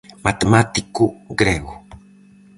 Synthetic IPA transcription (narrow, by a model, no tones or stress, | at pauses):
mat̪emat̪ikuɡɾɛɣu